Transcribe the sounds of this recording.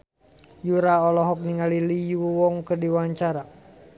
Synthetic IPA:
juɾaɔlɔɦɔk̚niŋalilijuuwɔŋkərdiwaɲt͡ʃaɾa

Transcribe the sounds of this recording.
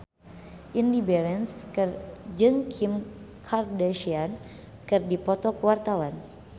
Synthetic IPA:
ʔindibɛɾɛnskɨrd͡ʒɨŋkʰim | kʰardaʃian | kɨrdipɔt̪ɔkuwart̪awan

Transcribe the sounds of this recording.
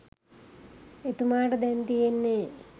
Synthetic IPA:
et̪umaːʈɐd̪ent̪ijenːe

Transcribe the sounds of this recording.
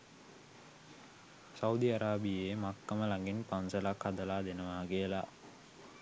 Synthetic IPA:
saud̪iaɾaːbijemakːaməlaŋɡinpansəlakhad̪əlaːd̪enəʋaːɡejəla̰

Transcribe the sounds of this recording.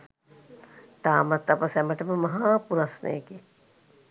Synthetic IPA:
t̪aːmat̪ːapəsɛməʈəməmɐɦaːpuɾasnə̰jeke

